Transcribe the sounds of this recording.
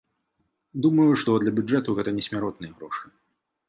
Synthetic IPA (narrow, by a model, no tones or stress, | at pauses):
d̪umɐjuʂt̪ɔd̪lʲɐbʲud͡ʐɛt̪uɣɛt̪ɐnʲɛsʲmʲaɾɔt̪̚nɨjɐɣɾɔʂɨ